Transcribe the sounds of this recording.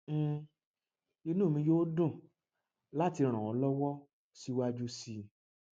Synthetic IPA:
i˧nũ˦˨mĩ˧jo˦o˦dũ˦˨ | la˦ti˧ɾ̃ã˨ɔ˨˦lɔ˦wɔ˦ | si˦wa˦d͡ʒu˦si˧

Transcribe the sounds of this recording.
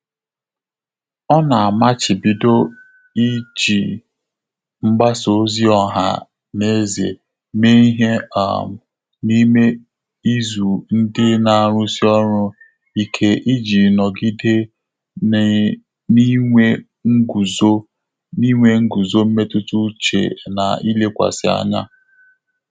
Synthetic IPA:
ɔ˦na˨a˨ma˦t͡ʃɪ˨bi˨do˦ | i˦d͡ʒi˨ | ŋ͡m̩˦ɡ͡ba˦so˨˦zi˦ɔ˦ɦa̰˦ | ne˦zḛ˨ | me˦i˦ɦe˦a̰˦˨m˨ | ni˦me˦ | i˦zu˨n̩˦dɪ˦na˨a˨ɾʊ˦si˦ɔ˦ɾʊ˦ | i˦kʰe˦ʔi˦d͡ʒi˨nɔ˨ɡi˦de˦ | ni˦e˦ | ɡu˨zo˦ | ni˦ŋʷe˦ŋ̩˦ɡu˨zo˦m̩˦me˦tʊ˦tu˦t͡ʃḛ˨na̰˨i˦le˦kʷa̰˨sɪ˨a̰˦˨ɲa̰˦

